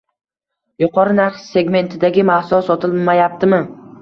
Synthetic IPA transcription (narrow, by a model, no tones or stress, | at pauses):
jʊqʰɒɾɪnaɾχse̞ɡme̞nt̪ʰɪd̪aɡʲɪmahsɒsɒt̪ʰɪlmajap̚t̪ʰɪmɪ